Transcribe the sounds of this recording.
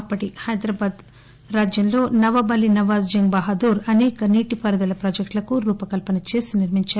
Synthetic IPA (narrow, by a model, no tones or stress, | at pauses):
ɐpːɐʈihɐjd̪ɾaːbaːd̪ | ɾaːd͡ʒjɐmlo̞ːnɐʋɐbɐlinɐʋaːzd͡ʒɐŋbɐɦɐd̪uːɾɐnɛːkɐniːʈipɐɾɐd̪ɐlɐpɾɐːd͡ʒɐk̚ʈlɐkuɾuːpɐkɐlpɐnɐt͡ʃe̞ːsiniɾmiɲt͡ʃaːɾ